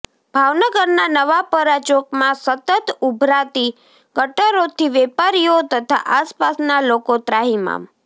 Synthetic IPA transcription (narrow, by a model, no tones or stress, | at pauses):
bʱaʋnəɡəɾnanəʋapəɾat͡ʃokmãsət̪ət̪ubʱɾat̪i | ɡəʈəɾot̪ʰiʋɛpaɾijot̪ət̪ʰa̰ʔaspasnalokot̪ɾaɦima̰m